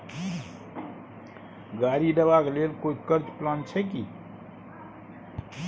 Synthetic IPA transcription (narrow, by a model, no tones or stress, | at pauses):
ɡaɾiɖ̪əbaklelkoikəɾd͡ʒplant͡ʃʰɛki